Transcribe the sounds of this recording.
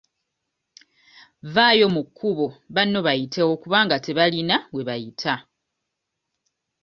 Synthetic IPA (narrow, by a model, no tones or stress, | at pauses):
vaːjo̞mukʰːuβo̞βanːo̞βajitʰewokuβaːŋɡate̞βalinawe̞βajitʰa